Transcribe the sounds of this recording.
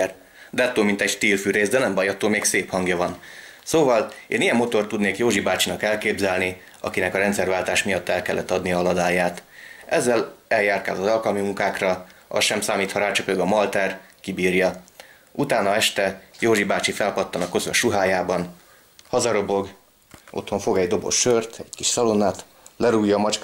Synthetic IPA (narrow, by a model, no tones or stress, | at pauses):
r | d̪ɛɒt̪ːoːlmint̪ɛɟt̪iːlfyːɾeːzd̪ɛnɛmbɒjɒt̪ːoːlmeːkseːphɒŋɡjɒvɒnsoːvɒlḛːnijɛmːo̞t̪o̞rt̪ːud̪neːkjoːʒibaːt͡ʃinɒkɛlkeːbzɛlni | ɒ̰kinɛkɒɾɛnt̪sɛrvaːlt̪aːʃmijɒt̪ːɛlkɛlːɛt̪ːɒd̪nijɒɒlɒd̪aːjaːt̪ɛzːɛlɛljaːrt̪ka̰ːlɒzɒlkɒlmimuŋkaːkrɒɒ̰sʃɛmsaːmiːt̪hɒɾaːt͡ʃøpøɡɒmɒlt̪ɛrkibiːrjɒ | ut̪aːnɒɛʃt̪ɛjoːʒibaːt͡ʃifɛlpɒt̪ːɒnɒkøzøʃuɦaːjaːbɒn | hɒzɒɾo̞bo̞ɡ | ʔo̞̰t̪ho̞ɱfo̞ɡɛɟd̪o̞bo̞̰ʃːørt̪ɛɟkiʃsɒlonaːt̪ | lɛɾuːjːɒːmɒt͡ʃk